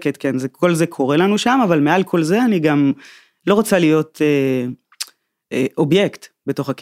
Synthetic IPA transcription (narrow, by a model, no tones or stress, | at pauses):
ketkenzekʰo̞lzekʰo̞ʁelanuʃamavalmealkʰo̞lze̞aniɡam | lo̞ʁot͡salijo̞te | eʔobje̞ktbeto̞χak